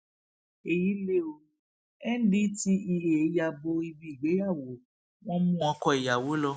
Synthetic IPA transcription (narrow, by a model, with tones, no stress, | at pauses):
e˨ji˨˦le˦o˧ | ɛ˦n̩˦di˦ti˦i˧˨e˨˦ja˧bo˧i˧bi˦i˨ɡ͡be˨˦ja˦˨wo˨˦ | w̃ɔ̃˦mũ˦ɔ̃˧kɔ˧i˨ja˨wo˨˦lɔ˧